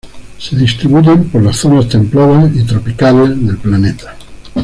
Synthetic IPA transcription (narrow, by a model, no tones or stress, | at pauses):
se̞ðist̪ɾiβuʝempoɾlasθonast̪e̞mploβait̪ɾopikalezðe̞lplanet̪ḁ